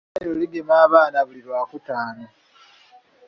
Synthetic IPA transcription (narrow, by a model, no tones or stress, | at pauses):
ajoliɡemaːβaːnaβuliɾwaːkutaːno